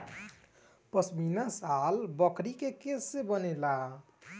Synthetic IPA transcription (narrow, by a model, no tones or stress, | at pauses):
pəsminasalbəkɾikekesebənela